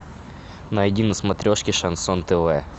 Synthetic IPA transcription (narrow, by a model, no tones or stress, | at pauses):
nɐɐdʲinəsmɐt̪ɾʲoʂkʲɪʂɐnsont̪ɛvɛ